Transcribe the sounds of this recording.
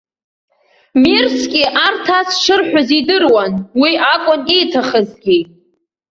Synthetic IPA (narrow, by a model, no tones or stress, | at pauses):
mirskʲʼiʔartʰasʂɨrħᶣazidɨrwanwiʔakʷʼʊnejtʰaχəzɡʲi